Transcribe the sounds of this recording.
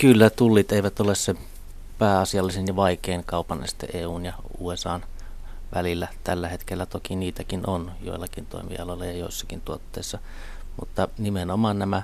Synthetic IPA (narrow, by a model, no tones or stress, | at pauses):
kylːæt̪ulːiːt̪eˑiʋæt̪olesse | pæːɑsiɑlːisenjɑʋɑˑikeˑiŋkɑˑupɑnæ̰si̥t̪ːḛʔeːuːnjɑ | ṵːesɑːn | ʋælilːæt̪ælːæhet̪kelːæt̪okiniːt̪ækinonjo̰ˑilːˑɑkint̪o̰ˑimḭɑ̰loelːɑjɑjo̰ˑisːɑ̥kint̪uot̪ːeˑisːɑ | mṵt̪ːɑnimenomɑnnæmæ